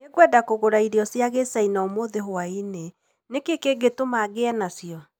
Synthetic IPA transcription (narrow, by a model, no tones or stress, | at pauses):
eɡwɛdakoɣoɾaiɾeɔsjaɣesainamoðeɦoaine | nekekeɡetomaɣeɛnasjɔ